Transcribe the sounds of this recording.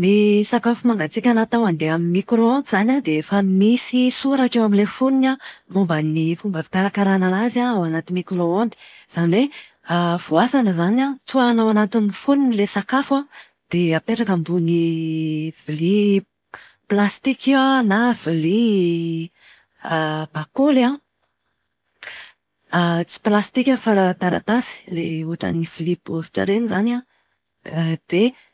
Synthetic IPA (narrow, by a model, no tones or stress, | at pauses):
nisakafumaŋɡat͡sikʲanat̪awand̪eaminmikɾoond̪iz̥anad̪efamisisuɾakewamilefuninamumbənifumbəvi̥t̪aɾakaɾanaazaawanat̪imikroond̪i̥z̥aniwe | av̥uasanəzanat͡suanawanat̪inifuninilesakafa | d̪̥eapeɾakambuni | v̥ili | plast̪ikiwanav̥ili | b̥akola | t͡si̥plast̪ikʲafalat̪aɾa̰t̪asi̥leuaʈ͡ʂə̰nifilipofi̥ʈ͡ʂa̰ɾenizana | d̪̥e